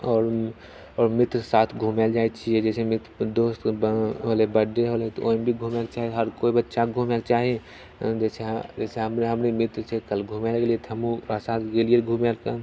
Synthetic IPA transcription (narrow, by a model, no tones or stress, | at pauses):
ɔːɾ | ɔːɾmɪt̪ɾsaːt̪ʰɡʱumeld͡ʒaet͡ʃʰied͡ʒɛːsemɪt̪d̪oːst̪ɦolebəɖeɦolet̪oombʱiɡʱumekt͡ʃaːɦieɦəɾkoːibətːʃaɡʱumekt͡ʃaːɦie | d͡ʒɛsed͡ʒɛːseɦəmɾeɦəmɾemɪt̪ɾt͡ʃʰekəlɡʱumelɡeliet̪ʰəmũɾasaːt̪ʰɡelieɡʱumelkə